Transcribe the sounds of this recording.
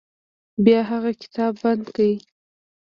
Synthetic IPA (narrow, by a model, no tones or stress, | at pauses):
bjɑɦaɣakɪ̥t̪ɑbːand̪kawi